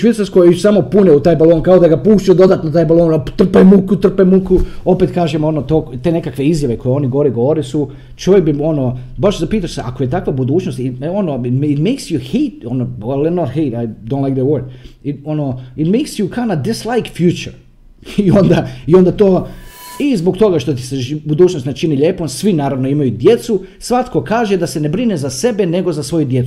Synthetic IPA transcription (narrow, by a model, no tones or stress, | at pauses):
ʃʋeːt̪saɾskojaisamopuneut̪aːjbaloːnkaod̪aɡapuːʃt͡ʃ̪ajud̪o̞d̪at̪not̪aːjbalˠoːnat̪r̩pemukut̪r̩pejmukuo̞pet̪kaːʒemonot̪okt̪eːne̞kakʋe̞izjaʋe̞ko̞jeo̞niɡoɾeɡoʋoɾesu | t͡ʃoʋjek̚bio̞no | baʃzapiːt̪aʃsea̰kojet̪akʋabud̪uːt͡ʃnost̪ionotɪtmeɪksjuheɪtonoɛlˠɛnot̪heɪtajd̪õnlaɡd̪ewoɾd̪ɪtonoɪt̪meɪksjukʰanad̪ɪslˠajkfjut͡ʃə̰ɾ | iond̪aio̞nd̪at̪oːizbokt̪o̞ɡaʃt̪ot̪i̥sebud̪uːt͡ʃnost̪net͡ʃiniʎʲe̞ːponsʋinaːɾaʋno̞imajud̪je̞t̪su | sʋat̪ko̞kaːʒed̪ase̞ne̞bɾinezase̞bene̞ɡo̞zasʋo̞jud̪je̞t̪